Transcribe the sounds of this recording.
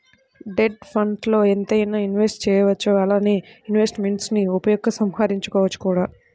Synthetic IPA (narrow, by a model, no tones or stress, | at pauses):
ɖe̞ɖpʰɐɳɖlo̞ːent̪ɐjɐnɐinʋe̞sʈt͡ʃɛːjɐʋɐt͡ʃːuɐlaːneːinʋe̞sʈmeɳʈsniupɐjɔɡːɐsɐmhaːɾiɲt͡ʃu̥kɔːʋɐt͡ʃːu̥kuːɽaː